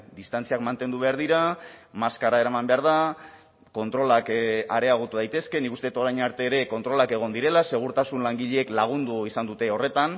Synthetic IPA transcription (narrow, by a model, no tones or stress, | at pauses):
d̪ist̪ant͡siakmant̪e̞nd̪uβeaɾðiɾamaskaɾaeɾamambe̞aɾð̞a | ko̞nt̪ɾo̞lakaɾe̞aɣ̞ot̪uðajt̪e̞ske̞nikust̪e̞et̪oɾajɲaɾt̪e̞ːɾe̞ko̞nt̪ɾo̞lake̞ɣ̞o̞nd̪iɾe̞lase̞ɣ̞uɾt̪asunlaŋɡiʎeːklaɣ̞und̪uisand̪ut̪e̞o̞re̞t̪an